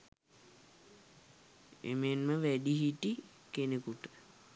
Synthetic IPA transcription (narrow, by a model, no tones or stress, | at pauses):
ḛmenməʋæɖiɦiʈi | kenekuʈə